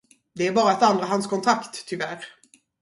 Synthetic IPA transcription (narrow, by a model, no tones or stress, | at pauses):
d̪ɛæɾbɑːɾaɛt̪and̪ɾaɦanskʰɔnt̪ʰɾakt̪ʰːʏvæɾ